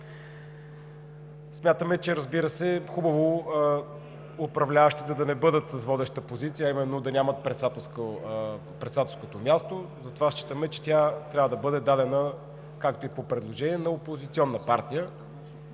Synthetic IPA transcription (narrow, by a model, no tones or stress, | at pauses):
smʲjat̪əmɛt͡ʃɛɾəzbiɾəsɛxubəvo | ʊpɾɐvlʲavəʃt̪id̪ɐd̪ɐnɛbɤd̪ət̪səsvɔd̪ɛʃt̪əpozit̪siəːimɛnːod̪ɐnʲamət̪̚pɾɛt̪sat̪ɛskə | pɾɛt̪sat̪ɛlˠskot̪omʲjast̪ozɐt̪ovaʃt͡ʃi̥t̪əmɛt͡ʃɛ̥t̪jat̪ɾʲavəd̪ɐbɤd̪ɛd̪ad̪ɛnə | kak̚t̪oipopɾɛd̪lˠoʒɛniɛnɐopozit̪siɔnːəpaɾt̪ijə